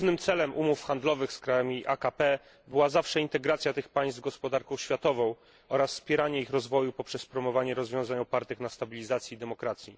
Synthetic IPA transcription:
vnɘmt̪sɛlɛmʔumufxand̪lɔvɘxskɾajamʲiʔa̰kapɛ | bɘwazafʂɛint̪ɛɡɾat̪sʲjat̪ɘxpaj̃st̪vɡɔspɔd̪aɾkɔ̃w̃ɕfʲjat̪ɔvɔ̃w̃ | ɔɾasfspʲjɛɾaɲɛixɾɔzvɔjupɔpʂɛspɾɔmɔvaɲɛɾɔzvʲjɔ̃w̃zaɲɔpaɾt̪ɘxnast̪abʲilʲizat̪sʲjɛid̪ɛmɔkɾat̪sʲjḭ

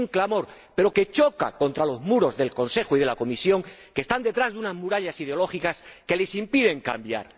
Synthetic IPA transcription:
ŋklamo̞ɾ | pe̞ɾo̞ke̞t͡ʃo̞ka̰ko̞nt̪ɾalo̞zmuɾo̞zðe̞lko̞nse̞xoiðe̞lako̞misjo̞ŋkest̪and̪e̞t̪ɾazðunazmuɾaʎasið̞eo̞lo̞xikaske̞le̞simpiðe̞ŋka̰mbja̰ɾ

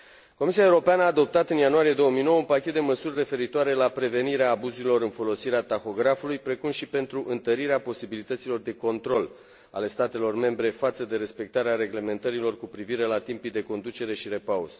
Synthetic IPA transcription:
ko̞mis̬iaewuɾo̞peanəaːd̪o̞p̚t̪at̪ɨnjanuaɾije̞d̪o̞wəmijnowəunpakʲet̪̚d̪e̞məsurʲːe̞fe̞ɾit̪oaɾe̞lapɾe̞ve̞niɾeaːbuzuɾilo̞ɾɨnfo̞lo̞siɾeat̪axo̞ɡɾafulujpɾe̞kumʃipe̞nt̪ɾuʔɨnt̪əɾiɾeapo̞sibilit̪ət̪silo̞rd̪e̞ko̞nt̪ɾo̞l | a̰le̞st̪at̪e̞lo̞rme̞mbɾe̞fat̪səd̪e̞ɾe̞spe̞k̚t̪aɾeaɾe̞ɡle̞me̞nt̪əɾilo̞rkupɾiviɾe̞lat̪impijd̪e̞ko̞nd̪ut͡ʃe̞ɾe̞ʃiɾe̞pauz̥

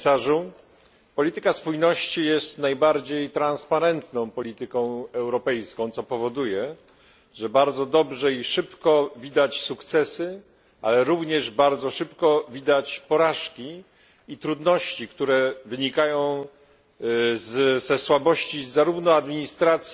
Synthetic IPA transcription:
saʐu | pɔlʲit̪ɘkaspujnɔɕt͡ɕijɛst̪najbaɾd͡ʑejt̪ɾãnspaɾɛnt̪nɔ̃w̃pɔlʲit̪ɘkɔ̃w̃ɛwɾɔpɛjskɔ̃w̃t̪sɔpɔvɔd̪ujɛ | ʐɛbaɾd̪zɔd̪ɔbʐɛiʂɘpkɔvʲid̪at͡ɕsukt̪sɛsɘ | a̰lɛɾuvɲɛʐbaɾd̪zɔʂɘpkɔvʲid̪at͡ɕpɔɾaʂkʲi | it̪ɾud̪nɔɕt͡ɕikt̪uɾɛvɘɲikajɔ̃w̃ | zzɛswabɔɕt͡ɕizaɾuvnɔad̪mʲiɲist̪ɾat̪sʲ

